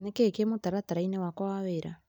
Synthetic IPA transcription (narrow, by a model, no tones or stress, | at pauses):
nekekemotaɾataɾainewakwaβeɾa